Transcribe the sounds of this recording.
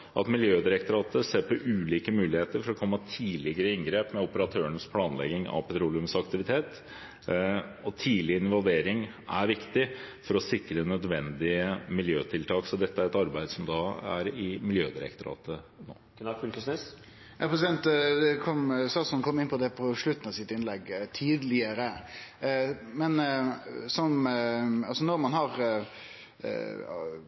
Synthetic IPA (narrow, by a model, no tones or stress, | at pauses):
ʔɑ̰t̪mɪljøːd̪ɪɾɛk̚t̪ʊɾɑːt̪əseːɾpʰɔʔʉːliːkəmʉːlɪheːt̪əɾfɔɾɔkʰɔmːət̪ʰiːlɪɡəɾəɪŋɡɾeːpmɛʊpəɾɑt̪ʰøːəɳəspʰlɑːnlɛ̰ɡɪŋɑ̰ʋpʰɛt̪ɾuːlɪʉmsɑkt̪ɪʋɪt̪ʰeːt̪ | ɔt̪ʰiːlɪɪnʋɑlʋeːɾɪŋ | æɾʋɪkt̪ɪfɔɾɔsɪkɾənœd̪ʋɛnd̪ɪəmɪljøːt̪ʰɪlt̪ʰɑːksɔd̪ɛt̪ːəæɾɛt̪ɑɾbæɪd̪sɔmd̪ɑæ̰ɾɪmɪljøːd̪ɪɾɛ̰kt̪ʊɾɑ̰ːt̪ə | no̰ː | ʉkəsnes | jɑpʰɾɛsɪd̪ɛnt̪kʰɔmsɑsɔnkʰɔmːɪnpʰɔd̪ɛpʰɔʂɭʉt̪ːn̩ɑsɪt̪ɪnlɛɡt̪ʰiːd̪lɪəɾə | mɛn | sɔm | ɑlsɔnɔɾmɑnɦɑɾ